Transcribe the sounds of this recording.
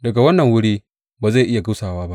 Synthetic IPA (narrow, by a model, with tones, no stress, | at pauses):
dɐ˨ɡa˨wɐ˦nːɐ˨ŋwʊ˦ɽiː˦ | baː˨za˦˨ʔɪ˦ja˨ɡʊ˦saː˨waː˦ba˦ʔ